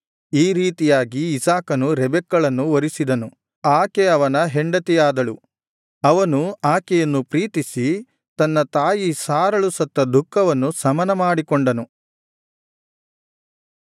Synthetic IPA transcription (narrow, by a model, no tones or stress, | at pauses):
iːɾiːt̪ijaːɡiːsaːkɐnuɾɛbɛkːɐɭɐnːuʋɐɾisid̪ɐnu | aːkeɐʋɐnɐɦeɳɖɐt̪ɛjaːd̪ɐɭu | ɐʋɐnuaːkɛjɐnːupɾiːt̪isi | t̪ɐnːɐt̪aːjisaːɾɐɭusɐt̪ːɐd̪ʱukʰːɐʋɐnːusɐmɐnɐmaːɽikɔɳɖɐnu